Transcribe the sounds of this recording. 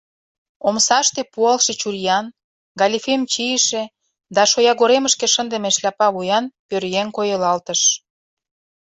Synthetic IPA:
omsɑʃt̪epuɑlʃet͡ɕurjɑn | ɡɑlʲifemt͡ɕijəʃĕ | d̪ɑʃojɑɣoɾeməʃkeʃənd̪emeʃlɑpɑβujɑnpørjeŋkojə̆lɑlt̪əʃ

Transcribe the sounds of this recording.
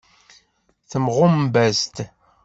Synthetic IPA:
θəmʁʊmbæst̪

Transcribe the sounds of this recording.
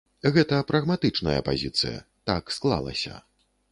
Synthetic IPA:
ɣɛt̪ɐpɾɐɣmat̪ɨt͡ʂnɐjɐ̰pa̰zʲit̪sɨjɐ̰t̪aksklˠa̰lˠɐ̰sʲɐ̰

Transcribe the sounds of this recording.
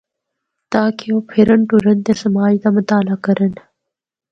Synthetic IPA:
t̪aːkʰioːpʰiɾəɳʈuɾənt̪esɐmaːjd̪amət̪aːlakəɾən

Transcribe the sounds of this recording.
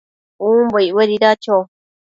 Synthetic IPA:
ũmboiweɾiɾat͡ʃo

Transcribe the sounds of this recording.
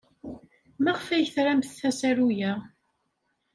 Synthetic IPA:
mæʁfæjθɾæmθθæsæɾujæ

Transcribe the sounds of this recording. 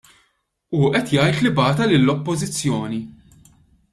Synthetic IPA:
uʔɛt̪jɐjt̪lɪbɐːt̪ɐlɪlːɔpːɔzɪt͡sːjɔːni

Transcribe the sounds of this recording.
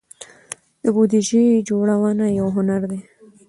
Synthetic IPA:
d̪əbud̪iʒed͡ʒoɽawanajawɦʊnaɾd̪e

